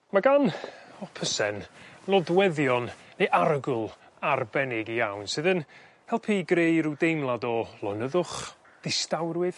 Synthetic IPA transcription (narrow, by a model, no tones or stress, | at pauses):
maɡanɔpʰəsɛnlɔdwɛðjɔnːejʔaɾəɡʊlˠ | arbɛnɪɡijawnsɨðən | hɛlˠpʰiɡrejɾudejmlˠadɔlˠɔnəðʊχ | ð̥ɪstawrwɨð